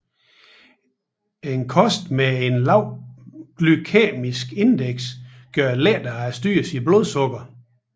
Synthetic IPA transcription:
enkʰɒ̽sd̥mee̝nlɑ̈ʊ̰ɡ̥lykʰɛ̰ːmisɡ̥e̝nd̥eɡ̥s | ɡ̥ɶɐlɛ̰d̥ɐæsd̥y̰ːɐsiblo̝ð̞ˠsɔ̽ɡ̥ɐ

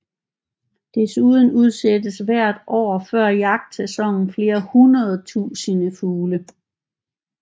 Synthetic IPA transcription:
d̥e̝suðˠn̩uð̞ˠsed̥əsʋæɐ̰d̥ɒ̰ːfɶɐ̰jɑ̈ɡ̥̚d̥sesɒ̽ŋ̰n̩fle̝ːɐhunɐð̞̩ˠt͡sʰṵːsənəfuːlə

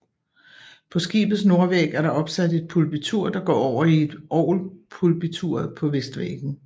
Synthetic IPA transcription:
pʰɒ̽sɡ̥ḭːb̥ð̩ˠs̬no̝ɐʋeɡ̥æɐɾɑ̈ɒ̽b̥sæde̝d̥̚pʰulb̥it͡sʰuɐ̰d̥ɑ̈ɡ̥ɒ̰ːɒʊ̰ɐie̝d̥ʔɒʊ̰lpʰulb̥it͡sʰuɐ̰ðˠpʰɒ̽ʋesd̥ʋḛɡ̥n̩

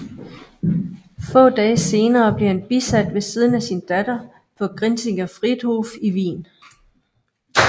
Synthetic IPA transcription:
fɔ̰̽ːd̥ɛːse̝ːnɐːb̥le̝ɐhænb̥isæd̥ʋe̝siːð̞ˠn̩æsind̥æd̥ɐ | pʰɒ̽ɡ̥ʁinse̝ŋɐfʁid̥ˠhofiʋḭːn

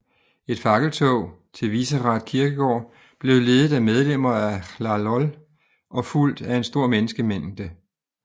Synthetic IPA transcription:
e̝d̥fɑ̈ɡ̥əlt͡sʰɔʊ̰t͡sʰe̝lʋisəʁɑ̈d̥̚kʰiɐɡ̥əɡ̥ɒ̰ː | b̥le̝ʊle̝ːðˠð̩ˠæmeð̞ˠlem̰ɐælɑlɒl | ʔɒ̽ful̰d̥æe̝nsd̥o̝ɐ̰menəsɡ̥əmen̰d̥ə

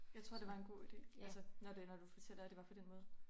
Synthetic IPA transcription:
jɑ̈ɪt͡sʰʁo̝ɐ̰d̥e̝ʋɑ̈e̝nɡ̥o̝̰ːid̥e̝̰ːælsənɒdenɒd̥ufɒt͡sʰel̰ɐæd̥e̝ʋɑ̈pʰɒ̽d̥enmɔ̽ːð̞ˠ

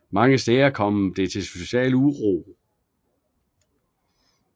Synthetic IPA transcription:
mɑ̈ŋəsd̥ɛːɪɐkʰɒ̽md̥e̝t͡sʰe̝so̝ɕɛ̰ːləuʁo

